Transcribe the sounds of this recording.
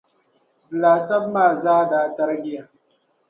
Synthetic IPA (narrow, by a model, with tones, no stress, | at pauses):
laː˨sɐ˦bmaː˨zaː˦daː˨ta˦ɾɡʲɪ˦ja˨